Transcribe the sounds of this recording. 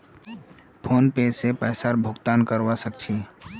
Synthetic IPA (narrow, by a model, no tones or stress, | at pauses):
pʰoːnped͡ʒsepɛːsaɾbʱʊɡt̪aːnkəɾwasək̚t͡ʃʰi